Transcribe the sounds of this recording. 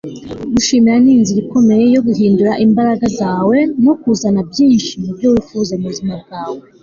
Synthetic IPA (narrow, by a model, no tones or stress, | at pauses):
ɡuʃiːmiɾaniːnziɾikʰo̞me̞jejo̞ɡuɦiːnduɾaʔimbaɾaɡazaːwe̞nokuzanabjiːnʃimubɟo̞wifuzemuzimab̚ɡaːwe